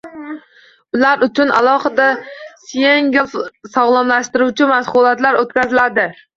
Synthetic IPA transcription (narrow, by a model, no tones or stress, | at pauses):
ʊlaɾʊt͡ʃʰʊnʔa̰lˠɒχɨd̪asjeŋɡʲɪlˠfsɒʁlˠamlaʃt̪ɪɾuwt͡ʃʰɪmasχʊlˠat̪laɾot̪̚kʲʰazɪlad̪ɪ